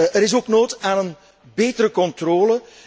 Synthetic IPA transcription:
əɾɪs̬oːknoːtaːnən | beːtəɾəkɔntroːlə

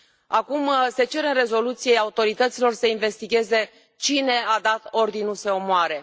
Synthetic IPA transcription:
akumse̞t͡ʃe̞ɾɨnre̞zo̞lut̪sijeaut̪o̞ɾit̪ət̪silo̞rsəinve̞st̪iɡʲe̞ze̞ | t͡ʃine̞ad̪at̪o̞rd̪inulse̞o̞moaɾe̞

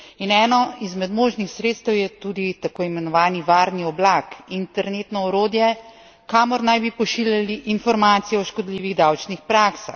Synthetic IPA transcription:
inɛːnɔizmɛd̪moːʒnixsɾeːt̪st̪əwjɛt̪uːd̪it̪akoːimɛnɔʋaːniʋaːɾniɔblakint̪ɛɾneːt̪nɔɔɾoːd̪jɛ | kaːmɔɾnajbipɔʃiːljaliʔːnfɔɾmaːt̪sijɛɔʃkɔd̪liːʋiɣd̪awt͡ʃnixpɾaːksa̰x

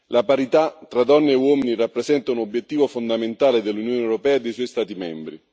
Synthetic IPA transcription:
lapaɾit̪at̪ːɾad̪ɔnːeːwɔːminirapːɾezɛnt̪aunobjet̪ːiːvofond̪ament̪aːled̪elːunjoːneɛwɾopɛːaed̪ːejsɔːjst̪aːt̪imɛ̰mbɾḭ

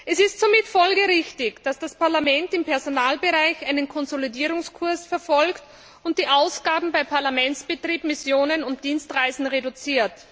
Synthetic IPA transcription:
ʔɛsɪstz̥oːmɪtfɔlɡəʁɪçtɪçd̥asd̥aspaɐlamɛntɪmpɛɐzonaːlbəʁaɪçaɪnənkʰɔnzolidiːʁʊŋskʰʊɐsfɛɐfɔlkt | ʊnt̚d̥iːʔaʊsɡ̥aːbm̩baɪpʰaɐlamɛnt͡ssb̥ətʁ̥iːbmɪsjoːnənʊnt̚d̥iːnstʁaɪzn̩ʁedʊt͡siːɐt

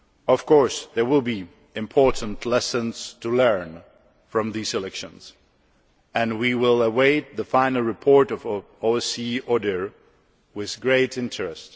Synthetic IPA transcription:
ʌv̥kʰɔɹsðə˞wɪlˠbi | ɨ̃mpʰɔɹʔn̩tʰlɛsə̃nz̥tʰəlɜ̃˞n | fɹʌ̃mðizɨlɛkʃɨ̃nz̥ | ɨ̃nwiwɪlˠəweɪt̪̚ðəfãɪ̃nl̩ˠɹɨpʰɔɹɾʌv | oɛsiɔdə˞ | wɪð̥ɡɹeɪɾɪ̃ntɹɨst

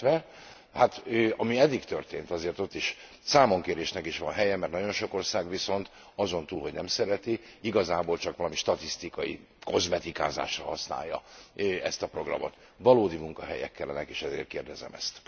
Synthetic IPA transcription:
ɛ | hat̪øːɒmiɛd̪ːikt̪ørt̪ḛːnt̪ɒzeːrt̪o̞t̪ːiʃ | saːmo̞ŋkeːɾeːʃnɛkiʃʋɒnɦɛjɛmɛrt̪nɒɟo̞nʃo̞ko̞rsaːɡʋiso̞nt̪ | ɒzo̞nt̪uːlɦo̞ɟnɛmsɛɾɛt̪iiɡɒzaːboːlt͡ʃɒkʋɒlɒmiʃt̪ɒt̪ist̪ikɒjḭ | ko̞zmɛt̪ika̰ːza̰ːʃrɒ̰ɦɒsna̰ːjːɒ̰ɛst̪ɒpro̞ɡrɒ̰mo̞̰t̪ | ʋɒloːd̪imuŋkɒɦɛ̰jɛ̰kːɛlːɛnɛkeːʃɛzḛːrt̪̚keːrd̪ɛzɛ̰mɛ̰st̪

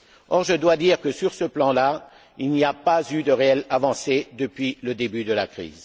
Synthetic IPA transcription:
ɔʁʒəd̪wad̪iːʁkəsyʁsəplɑ̃la | ilniapazyd̪əʁeɛlavɑ̃sed̪əpɥiləd̪ebyd̪əlakχḭːz

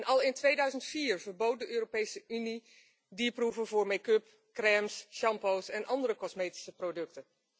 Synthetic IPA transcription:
nʔɑlˠɪntʋejdœɥzəntfiːɹvəɹbowt̚dəʔøːropejsəʔyni | dipruvəvʊːɹmekɵp | krɛmsʃɑmpowsɛnʔɑndəɾəkɔsmejti̥səprodɵktən

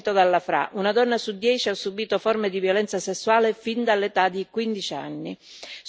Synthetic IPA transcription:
t̪od̪alːafɾa̰ʔunad̪ɔnːasud̪ːjɛːt͡ʃiasːubiːt̪ofɔrmɪd̪ivjolɛnt̪sasesːuaːlɪfind̪alːet̪ad̪ikwind̪it͡ʃia̰nːi

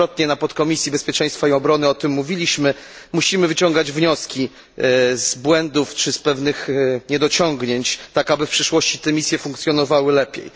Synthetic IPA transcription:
ɔt̪ɲɛnapɔt̪kɔmʲisʲjibɛspʲjɛt͡ʂɛ̃j̃st̪faiɔbɾɔnɘɔt̪ɘmːuvʲilʲiɕmɘmuɕimɘvɘt͡ɕɔŋɡad͡ʑvɲɔskʲi | zbwɛnd̪uft͡ʂɘspɛvnɘxɲɛd̪ɔt͡ɕɔŋɡɲeɲt͡ɕt̪akabɘfpʂɘʂwɔɕt͡ɕit̪ɛmʲisʲjɛfuŋkt̪sʲjɔnɔvawɘlɛpʲjḛj

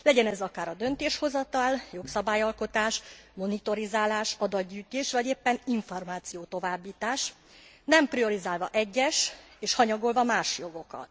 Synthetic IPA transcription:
lɛɟɛnɛzɒkaːɾɒd̪ø̞nt̪eːʃho̞zɒt̪ɒljo̞ksɒbaːjɒlko̞t̪aːʃmo̞nit̪o̞ɾizaːlaːʃɒd̪ɒd̪ɟyːt̪eːʃʋɒɟeːpːɛniɱformaːt̪sijoːt̪o̞vaːbːiːt̪aːʃ | nɛmprio̞ɾizaːlvɒʔɛɟːɛʃeːʃhɒɲɒɡo̞lvɒmaːʃjo̞ɡo̞kɒ̰t̪

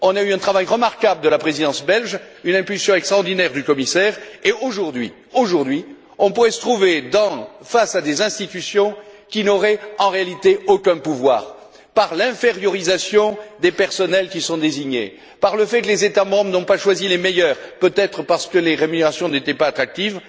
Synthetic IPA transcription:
ɔ̃nayɛ̃t̪χavajʁəmaʁkabləd̪əlapχezid̪ɑ̃sbɛlʒynɛ̃pylsjɔ̃ɛkst̪χɑʁd̪inɛʁd̪ykɔmisɛʁeoʒuʁd̪ɥi | oʒuʁd̪ɥi | ɔ̃puʁɛsə̥t̪χuved̪ɑ̃fasad̪ezɛ̃st̪it̪ysjɔ̃kʲinɔʁɛɑ̃ʁealit̪eokɛ̃puvwa̰ːʁ | paʁlɛ̃feʁjɔʁizasjɔ̃d̪epɛʁsɔnɛlkʲisɔ̃d̪eziɲḛ | paʁləfɛkəlezet̪amɑ̃bʁənɔ̃paʃwazilemɛjœʁpøt̪ɛt̪χəpaʁsə̥kəleʁemyneʁasjɔ̃net̪ɛpaːt̪χak̚t̪iv

